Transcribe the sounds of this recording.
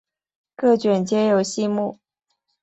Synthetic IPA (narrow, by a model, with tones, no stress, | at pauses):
kɤ˥˩t͡ɕɥɛ˨˩nt͡ɕjɛ˥jo˨˩ʊɕi˥˧mu˥˩